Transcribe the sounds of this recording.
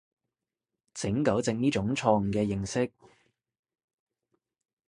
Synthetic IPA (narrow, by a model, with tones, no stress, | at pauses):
t͡sʰɪ˨˥ŋkɐ˨˥wt͡sɪ˧ŋniː˥t͡ʃʊ˨˥ŋt͡sʰɔː˧ŋ̩˨kɛː˧jɪ˨˩ŋsɪ˥k̚